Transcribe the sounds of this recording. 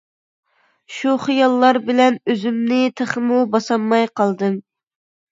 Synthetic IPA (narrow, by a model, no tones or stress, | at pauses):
ʃuχijɑlˠːɑɾbɪlɛnøzymnɪt̪ʰəχəmubɑsɑmːɑjqʰɑlˠd̪ɨm